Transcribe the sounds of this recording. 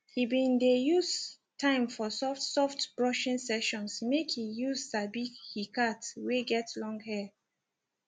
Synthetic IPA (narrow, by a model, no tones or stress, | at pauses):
hibĩndejus | tʰãɪ̃mfɔsɔfsɔftb̥ɹɔʃĩnsɛʃɔ̃nsmekhijuzdabiɡhikatweɡɛtlɔ̃ŋɡhɛ